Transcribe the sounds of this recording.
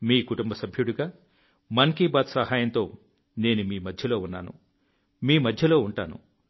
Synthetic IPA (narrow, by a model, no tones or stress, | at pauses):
miːkuʈumbɐsɐbʱjuɽuɡaː | mɐŋkiːbaːd̪sɐhaːjɐnt̪o̞ː | ne̞ːnumiːmɐd̪ʱjɐlo̞ːunːa̰ːnṵ | miːmɐd̪ʱjɐlo̞ːuɳʈa̰ːnṵ